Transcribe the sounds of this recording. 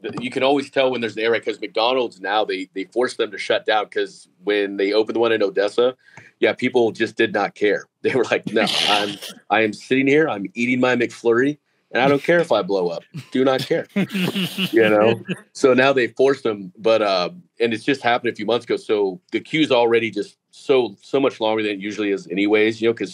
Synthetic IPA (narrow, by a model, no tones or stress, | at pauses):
ðɨjɨkʰɨ̃ñɔlˠwiz̥tʰɛlˠwə̃nðə˞zɨ̃nɛɹɨkʰʌzmɨk̚d̥ɑnl̩ˠdznaʊðeɪðeɪfɔɹsðɨ̃mtʰɨʃʌt̚d̥ãʊ̃nkʰʌz | wɨ̃nðeɪoʊpn̩ðəwʌ̃ñɨ̃noʊdɛsə | jæpʰipl̩ˠd͡ʒʌsd̥ɨdⁿnət̚kʰɛɹðeɪwə˞laɪk̚noʊã̰ɪ̃mʔãɪɨ̃msɪɾɪ̃ŋhiɹãɪ̃miɾɪ̃ŋmaɪmɨkflɜ˞i | ɨ̃naɪɾõʊ̃nkʰɛɹɨfaɪbloʊʌp̚d̥ɨnət̚kʰɛɹ | jɨnoʊsoʊnaʊðeɪfɔɹsðə̃mbʌɾʌ̃mɨ̃nɨtsd̥ʒ̥ʌst̚hæpənɨfjʉmʌ̃nθsəɡ̥oʊsoʊðɨkʰj̥ʉzl̩ˠɹɛɾid͡ʒʌst̚ | soʊsoʊmʌt͡ʃlɔ̃ŋɡə˞ðɨ̃njʉʒl̩ˠiɨzɛñiweɪzjɨnoʊkʰʌz̥